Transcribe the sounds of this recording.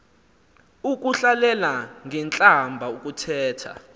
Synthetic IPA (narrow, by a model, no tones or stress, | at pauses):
uk̬ʼuɬalɛlaŋʱɛnt͡ɬʼambʱauk̬ʼutʰɛːtʰa̰